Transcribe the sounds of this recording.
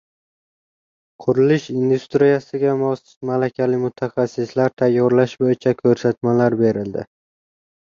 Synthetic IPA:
qʰʊɾɪlɪʃind̪ust̪ɾijasɪɡʲamɒsɪ̥t̪malakʲʰalɪmʊt̪ʰaχasːɪslaɾt̪ʰajːɒɾlaʃbojɪt͡ʃʰakʲʰɵɾsat̪malaɾbe̞ɾɪld̪ɪ̰

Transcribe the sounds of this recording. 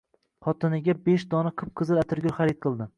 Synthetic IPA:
χɒt̪ʰɪnɪɡʲabeʃd̪ɒnaqʰɨp̚qʰɨzɪlat̪ʰɪɾɡʲoɾχaɾɪt̪̚qʰɨlˠd̪ɪ

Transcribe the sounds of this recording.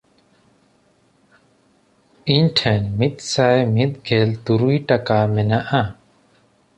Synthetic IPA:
iɲʈʰɛnmit̪̚sajmit̪̚ɡʱɛlt̪uɾujʈakamɛnaʔa

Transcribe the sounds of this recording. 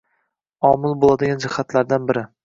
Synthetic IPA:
ɒmɪlˠbolˠad̪ɪɡʲand͡ʒɪhat̪ʰlaɾd̪anbɪɾɪ

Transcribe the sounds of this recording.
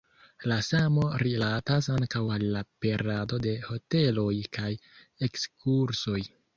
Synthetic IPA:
lasamo̞ɾilatasaŋkawalːape̞ɾado̞de̞ho̞te̞lo̞jkaj | ekskʰuɾso̞j

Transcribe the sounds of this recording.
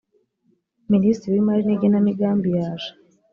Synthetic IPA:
ministiɾiwimaɾineɟenamiɡaːmbijaːʒo̥

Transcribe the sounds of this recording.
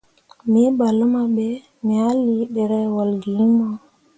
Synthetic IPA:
mibalamaɓɛ | mialːiɗɛɾɛwalɡimɔ

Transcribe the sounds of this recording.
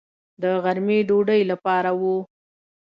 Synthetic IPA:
d̪əɣaɾmeɖoɖəjlapɑɾawu

